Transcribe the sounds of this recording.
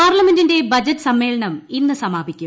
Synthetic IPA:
aːrlɐmendinde̞bɐd͡ʑɐtːɨ̥sɐmːe̞ːɭɐɳɐminːɨsɐmaːbʱikʲːum

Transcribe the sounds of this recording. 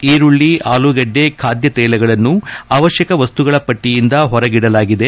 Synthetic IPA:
iːɾuɭːiaːluɡɐɖːe̞kʰaːd̪jɐt̪ɛːlɐɡɐɭɐnːuaːʋɐʃjɐkɐʋɐst̪uɡɐɭɐpɐʈːijind̪ɐɦɔɾɐɡiɽɐlaːɡid̪e̞

